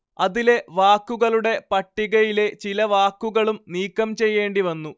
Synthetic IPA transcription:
ɐðile̞ʋaːkːuɣɐɭuɽe̞pɐʈːiɣɐjile̞t͡ɕilɐʋaːkːuɣɐɭumniːkːɐmt͡ɕe̞jːe̞ːɳɖiʋɐnːu

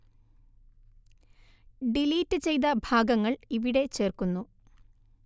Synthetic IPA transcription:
ɖiliːtːɨt͡ɕe̞jt̪̬ɐbʱaːɡɐŋːɐɭiʋiɽe̞t͡ɕe̞ːrkunːu

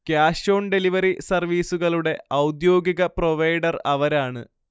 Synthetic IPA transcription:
kjaːɕo̞ːɳɖe̞liʋɐɾisɐrʋiːsuɣɐɭuɽe̞ɐwd̪jo̞ːɡiɣɐproʋɐjɖɐrɐʋɐɾaːɳɨ̰

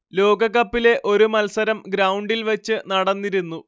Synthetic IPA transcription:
lo̞ːɡɐɣɐpːile̞ʔo̞ɾumɐlsɐɾɐmɡɾɐwuɳɖilʋɐt͡ɕːɨnɐɽɐnːiɾunːu

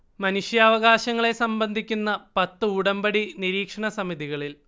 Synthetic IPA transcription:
mɐnuʂjaːʋɐɣaːɕɐŋːɐɭe̞sɐmbɐnd̪ʱikʲːunːɐpɐt̪ːɨuɽɐmbɐɽiniɾiːkʂɐɳɐsɐmiðiɣɐɭil

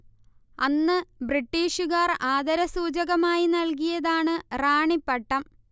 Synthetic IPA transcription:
ɐnːɨbriʈːiːʂuɣaːraːd̪ɐɾɐsuːd͡ʑɐɣɐmaːjinɐlkijɐðaːɳɨraːɳipːɐʈːɐm

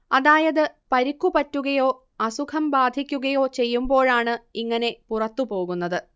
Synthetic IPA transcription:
ɐðaːjɐðɨpɐɾikːupɐtːuɣɐjo̞ː | ɐsukʰɐmbaːd̪ʱikʲːuɣɐjo̞ːt͡ɕe̞jːumbo̞ːɻaːɳɨiŋːɐne̞purɐt̪ːupo̞ːɣunːɐðɨ

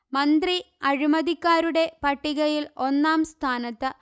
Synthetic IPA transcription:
mɐnd̪ri | ɐɻimɐðikːaːɾuɽe̞pɐʈːiɣɐjilo̞nːaːmst̪ʰaːnɐt̪ːɨ

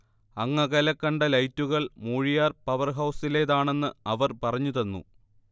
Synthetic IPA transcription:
ɐŋːɐɣɐlɐkːɐɳɖɐlɐjtːuɣɐɭmuːɻijaːrpɐʋɐrɦɐwsile̞ːðaːɳe̞nːɨɐʋɐrpɐrɐɲːuðɐnːṵ

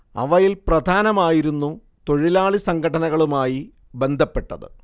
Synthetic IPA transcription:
ɐ̰ʋɐjilprɐd̪ʱaːnɐmaːjiɾunːu | t̪o̞ɻilaːɭisɐŋɡʰʱɐʈɐnɐɣɐɭumaːji | be̞nd̪ʱɐpːe̞ʈːɐðɨ̰

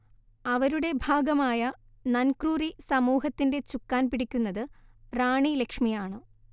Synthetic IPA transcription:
ɐʋɐɾuɽe̞bʱaːɡɐmaːjɐ | nɐnkruːrisɐmuːɦɐt̪ːinde̞t͡ɕukːaːnpiɽikʲːunːɐðɨraːɳilekʂmijaːɳɨ

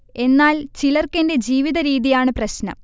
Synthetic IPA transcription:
e̞nːaːlt͡ɕilɐrkɐnde̞d͡ʑiːʋiðɐɾiːðijaːɳɨprɐɕnɐ̰m

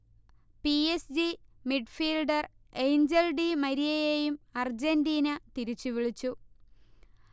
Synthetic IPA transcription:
piesd͡ʑimiɖfiːlɖɐr | ejnd͡ʑelɖimɐɾijɐjejumɐrd͡ʑendiːnɐt̪iɾit͡ɕːuʋiɭit͡ɕːu

